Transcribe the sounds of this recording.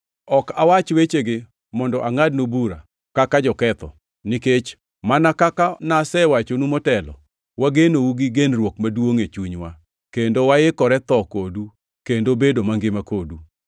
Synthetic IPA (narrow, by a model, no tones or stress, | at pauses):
ɔkawat͡ʃwet͡ʃeɡɪ | mɔndɔʔaŋad̚nobuɾa̰ | kakad͡ʒɔkɛt̪ɔ̰ | nɪket͡ʃ | manakakanasɛwat͡ʃonumɔtɛlɔ̰ | waɡenouɡiɡenrwokmadwoŋet͡ʃuɲwa | kendowaɪkɔɾɛt̪ɔkodu | kendobedomaŋɡɪmakodu